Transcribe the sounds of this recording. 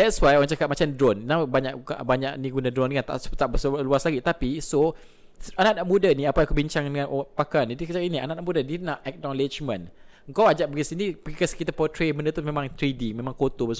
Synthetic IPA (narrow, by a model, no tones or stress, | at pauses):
dɛtswajɔwaŋt͡ʃakat̪̚mat͡ʃamdɾɔnnabaɲaʔabaɲaʔniɡunadɾɔnkant̪a̰ʔst̪aʔbəsluaslaɡit̪apiso | anaʔnaʔmudaniapaakubiɲt͡ʃaŋdəŋãnpakanadit͡ʃakinianaʔnaʔmudadid̚naʔɛk̚nɔled͡ʒmə̃n | ŋkawad͡ʒaʔbəɡisiniikaskit̪apɔtɾeməndət̪umẽmãŋt̪ɾidimẽmãŋkot̪obəs